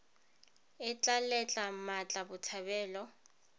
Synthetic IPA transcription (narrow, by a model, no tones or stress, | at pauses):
ɪt͡ɬʼalɛt͡ɬʼamat͡ɬʼabʊtʰaβɛːlɔ